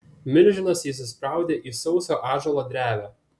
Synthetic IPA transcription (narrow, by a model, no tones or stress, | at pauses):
mʲɪlʲʒʲɪnɐsjiːs̬ʲɪspɾɑˑʊd̪ʲeːʔiːsɒʊsʲoːʔɑːʒolˠɐd̪ʲɾʲæːʋʲæː